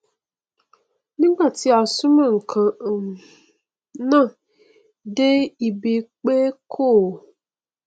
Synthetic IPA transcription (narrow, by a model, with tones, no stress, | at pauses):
nɪ̃˦ɡ͡ba˨tɪ˦a˨sʊ˦ma˨ŋ̩˨kʰã˨ | nã˦ | de˦i˨be˨k͡peː˦kʰoː˦˨